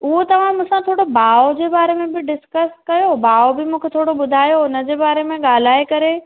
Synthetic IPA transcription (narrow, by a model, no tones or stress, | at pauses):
ʊɦot̪ɐʋ̤ãmũːsãt̪ʰoːɽobaːod͡ʑeːbaːɾemẽbɪɖɪskəskɐjobaːobɪmũːkʰet̪ʰoːɽobʊd̪ʱaːjoʊnə̆d͡ʑeːbaːɾemẽɠaːl̤aːekɐɾe